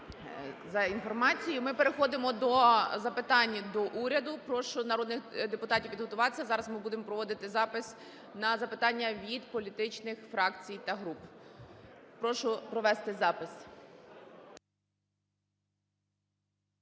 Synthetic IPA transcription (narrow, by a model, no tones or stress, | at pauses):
zɐinfɔrmɑt͡sʲijʊmɪpeɾexɔd̪ɪmɔd̪ɔzɐpɪt̪ɑnʲːd̪ɔʔuɾʲɐd̪ʊpɾɔʃʊnɐɾɔd̪nɪxd̪epʊt̪ɑtʲiwʋʲid̪ɦɔt̪ʊʋɑt̪esʲːɐzɑɾɐzmɪbud̪emɔpɾɔʋɔd̪ɪt̪ɪzɑpɪs | nɐzɐpɪt̪ɑnʲːɐʋʲid̪pɔlʲit̪ɪt͡ʃnɪxfɾɑkt͡sʲijt̪ɐɦɾup | pɾɔʃʊpɾɔʋɛst̪ɪzɑpɪsʲ